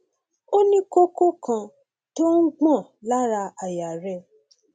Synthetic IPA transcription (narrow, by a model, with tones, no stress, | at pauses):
o˦nĩ˦ko˦ko˦kʰã˧ | to˦n̩˦ɡ͡bɔ̃˦˨la˦ɾa˧a˨ja˨ɾɛ˦